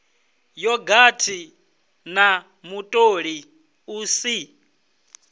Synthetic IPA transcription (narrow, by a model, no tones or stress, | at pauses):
jɔɡatʰi | na | mutʼoɺi | uːsi